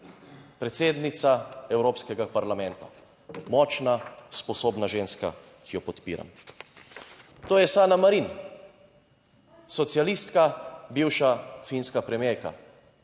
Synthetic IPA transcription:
pɾɛt̪seːd̪nit̪saɛwɾoːpskɛɡapaɾlamɛ̃nt̪a̰ | mɔːt͡ʃnaspɔsoːbnaʒeːnska̰ | kʰijɔpɔt̪pḭːɾa̰m | t̪oːjɛsaːnamaɾin | sɔt̪sijalist̪kabiwʃafinskapɾɛmjejka̰

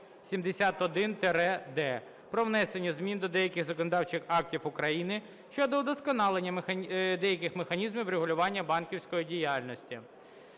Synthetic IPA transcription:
sʲimd̪esʲat̪ɔd̪ɪnt̪eɾɛd̪ɛ | pɾɔwnɛsenʲːɐzmʲind̪ɔd̪ɛjɐkʲɪxzɔkɔnɔd̪ɑwt͡ʃɪxɑk̚tʲifʊkɾɐjinɪ | ʃt͡ʃɔd̪ɔd̪ɔskɔnɑlˠenʲːɐmexɐd̪ɛjɐkʲɪxmexɐnʲizmʲiwɾeɦʊlʲʊʋɑnʲːɐbɑnkʲiwsʲkɔjidʲijɑlʲnɔsʲtʲi

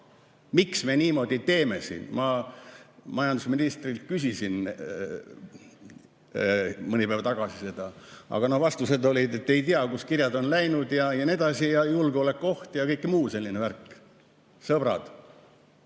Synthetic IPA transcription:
miksmeniːmo̞d̪̥ʲit̪e̞ːme̞sḭːnmɑ | mɑjɑnd̪usminist̪ril̚kysʲisin | mɤnʲipæːvɑt̪ɑɡ̥ɑsise̞d̪̥ɑɑ̰ɡ̥ɑnohvɑst̪used̪o̞lʲid̪e̞t̪ːe̞jt̪iɑkuskirjɑd̪o̞nlæjnud̪jɑjɑned̪̥ɑsijɑjulɡ̥eolekːˑo̞ht̪jɑkɤjkːˑmuːse̞lʲːineværkːˑ | sɤb̥ɾɑ̰d̪̥

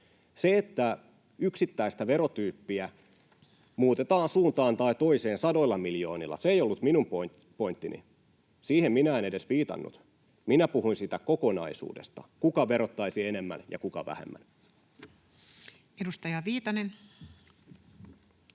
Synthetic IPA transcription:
seet̪ːæ | yksit̪ːæist̪æʋe̞ɾot̪yːpːiæ | muːt̪e̞t̪ɑːnsuːnt̪ɑːnt̪ɑit̪o̞ise̞ːnsɑdo̞ilːɑmiljo̞̰ːnilːɑ̰seijolːut̪minump | po̞int̪ːinḭ | siːhemminæenede̞sʋiːt̪ɑ̰nːṵt̪ | minæpuhuinsiːt̪ækoko̞nɑ̰isṵːde̞̰st̪ɑ̰kukɑʋe̞ɾot̪ːɑisiene̞mːæ̰njɑ̰kukɑʋæ̰hḛmːæ̰n | edust̪ɑjɑʋiːt̪ɑnen

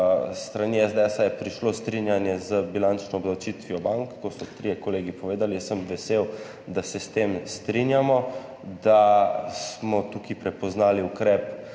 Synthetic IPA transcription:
st̪ɾaniɛzd̪eɛsajɛpɾiʃlost̪ɾinjanjɛzəbilant͡ʃnɔːbd̪awt͡ʃit̪ʋiɔbaŋkːɔsɔt̪ɾijɛkɔleːɡipɔʋeːd̪alisəmʋɛsew | d̪asɛst̪emst̪ɾinjamɔ | d̪asmɔt̪ukipɾɛpɔznaːliukɾɛːp

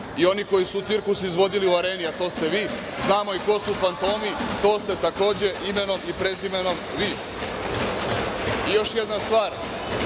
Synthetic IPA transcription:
io̞niko̞jisuːt̪sɨɾkusizʋo̞d̪iliuaɾe̞ːniat̪o̞ːst̪e̞ʋiː | znaːmo̞iko̞sufant̪o̞ːmit̪o̞ːst̪e̞t̪ako̞ːd͡ʑe̞ʔime̞no̞mipɾe̞zimeno̞mʋiː | ijo̞ʃje̞d̪nast̪ʋaːɾ

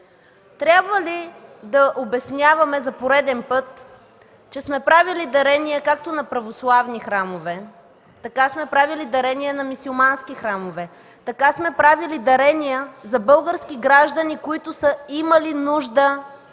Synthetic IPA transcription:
t̪ɾʲabvəlid̪ɐʔobɛsnʲavɐmɛzɐpoɾɛd̪ɛnpɤt̪ | t͡ʃɛsmɛpɾavilid̪ɐɾɛniɛkak̚t̪onɐpɾɐvoslˠavnixɾamovɛ | t̪ɐkasmɛpɾavilid̪ɐɾɛnijənɐmisulˠmanskixɾamovɛ | t̪ɐkasmɛpɾavilid̪ɐɾɛnijəzɐbɤlˠɡəɾsk̟iɡɾaʒd̪ənikoit̪ʊsəiməlinuʒd̪ə

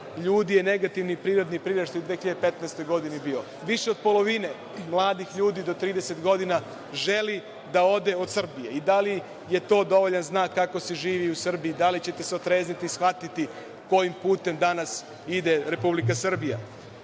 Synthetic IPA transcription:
ʎuːd̪ije̞ne̞ɡat̪iʋnipɾiːɾo̞d̪nipɾiːɾaʃt̪ojud̪ʋexiʎad̪epe̞t̪naest̪o̞jɡo̞d̪inibio̞ | ʋiʃe̞o̞d̪̚po̞lo̞ʋine̞ | mlˠaːd̪ixʎuːd̪id̪o̞t̪ɾiːd̪e̞se̞t̪ɡo̞d̪ina | ʒe̞li | d̪ao̞d̪e̞o̞d̪sr̩bije̞̰id̪ali | je̞t̪o̞ːd̪o̞ʋo̞ʎanznaːkːako̞siʒiːʋiusr̩biːd̪alit͡ɕe̞t̪e̞seot̪ɾe̞ːznit̪iːsxʋat̪it̪i | ko̞jimpuːt̪e̞md̪anas | id̪e̞ɾe̞publikasr̩bija̰

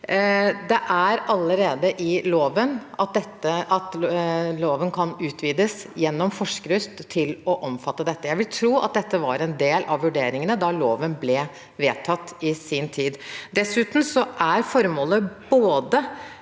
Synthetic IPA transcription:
d̪ɛʔæɾɑlːəɾeːd̪əʔɪloːʋənɑt̪̚d̪ɛt̪ːəʔɑt̪loːʋənkʰɑnʉːt̪ʰʋiːd̪əsjɛnːɔmfɔʂkəɾʉst̪ʰːɪlɔʔɔmfɑt̪ːəd̪ɛt̪ːəjæɪʋɪlt̪ʰɾuːɑ̰t̪̚d̪ɛt̪ːəʋɑ̰ɾɛnd̪eːlʔɑʋʋʉɖeːɾɪŋənəd̪ɑloːʋənblɛ | ʋeːt̪ʰɑt̪ːɪsɪnt̪ʰiːd̪d̪ɛsʉːt̪n̩sɔʔæɾfɔɾmoːləboːd̪ə

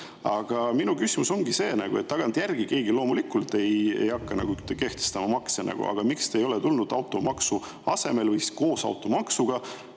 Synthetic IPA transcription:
ɑɡ̥ɑminukysimuso̞ŋɡ̥ise̞ːnɑɡ̥ue̞t̪ːɑɡ̥ɑnt̪jærɡ̥ike̞ːɡilo̞ːmulikːult̪e̞jḛjɑkːɑnɑ̰ɡut̪ːke̞ht̪est̪ɑmɑmɑksenʔɑ̰ɡ̥ṵʔɑ̰ɡ̥ɑmikst̪eːjo̞let̪ulnud̪̥ɑwt̪ːˑo̞mɑksu | ɑse̞me̞lvɤjsi̥sko̞ːsɑ̰wt̪ːˑo̞mɑksuɡ̥ɑ

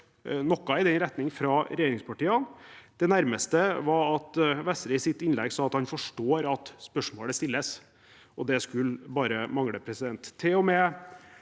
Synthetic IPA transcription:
nɔkːɑɪd̪ɛnɾɛt̪nɪŋfɾɑːɾɛjeːɾɪŋspʰɑʈiːɑnd̪̥ɛnæɾməst̪əʋɑɑt̪ʋɛsɾəɪsɪt̪ːɪnlɛɡsɑːɑt̪hɑnfɔʂʈoːɾɑt̪spœʂmoːɽəst̪ɪlːəs | ɔd̪ɛskʉlbɑːɾəmɑŋɽəpʰɾɛsɪd̪ɛnt̪ʰːɪlɔmɛ

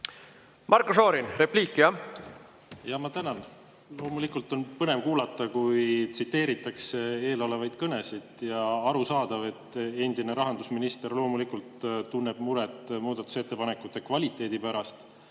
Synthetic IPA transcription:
mʔɑɾkusoːɾinɾe̞pliːkːˑiɑ | jɑmɑt̪ænɑn | lo̞ːmulikult̪ːˑo̞npɤne̞mkuːlɑt̪ːˑɑkujt̪sit̪ːe̞ːɾit̪ːˑɑkse̞e̞ːlo̞levɑjd̪̥kɤne̞sid̪̥jɑɑɾusɑːd̪̥ɑve̞t̪ːe̞nd̪̥ine̞ɾɑɦɑnd̪usminist̪e̞rlo̞ːmulikult̪t̪unːeb̥muɾet̪muːd̪̥ɑt̪ːˑu̥se̞t̪ːe̞pɑne̞kut̪ːˑe̞kvɑlʲit̪ːˑe̞ːd̪̥ipæɾɑst̪

